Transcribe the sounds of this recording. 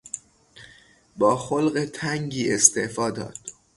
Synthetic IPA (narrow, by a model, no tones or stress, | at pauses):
bɒːxolɢet̪ʰæŋɟiːest̪eʔfɒːd̪ɒ̰ːd̪̥